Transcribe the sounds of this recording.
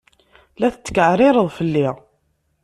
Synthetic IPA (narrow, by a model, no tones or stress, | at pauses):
læθət͡sːə̥kəʕɾˤɪɾˤəðˤfəlːiʁ